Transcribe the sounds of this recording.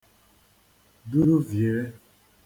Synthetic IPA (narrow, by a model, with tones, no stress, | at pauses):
du˦ɾu˦vje˨ɾɛ˦